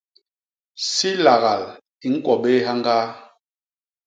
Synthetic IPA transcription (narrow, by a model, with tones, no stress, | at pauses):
si˦la˨ɣa˨l | i˨ŋ̩˦kwɔ˨be˦ɦa˦ŋ˦ɡa˦